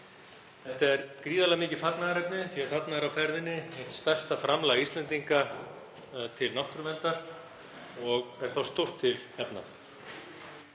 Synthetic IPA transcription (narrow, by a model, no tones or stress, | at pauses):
θɛht̪ɛɾkɾiːðalɪamɪːcɪfat̪naɣaɾɛp̚nɪθiaðfat̪naɾawfɛɾðɪnːɪeht̪st̪ɛr̥st̪afɾamlaɣist̪lɛnt̪iŋka | t̪ʰɪlnawht̪ɾʏmɛnt̪aɾ̥ | ɔɣɛɾ̥θawst̪ur̥t̪ʰːɪlɛpna̰θ